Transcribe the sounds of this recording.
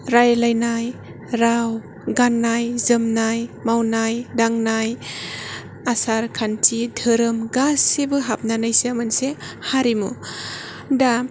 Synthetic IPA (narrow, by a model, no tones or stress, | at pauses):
ɾajlajnaj | ɾaw | ɡanːajzɯmnajmawnajdaŋnaj | asaɾkʰantʰidʱɯɾɯmɡasːebɯɦap̚nanajsemansehaɾimu | da